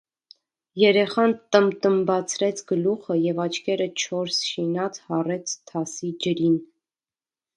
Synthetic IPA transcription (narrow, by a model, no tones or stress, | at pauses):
jɛɾɛχɑnt̪əmt̪əmbɑt͡sʰɾɛt͡sʰɡəluχəjɛvɑt͡ʃʰkʰɛɾət͡ʃʰɔɾsʃinɑt͡sʰhɑrɛt͡sʰt̪ʰɑsid͡ʒəɾin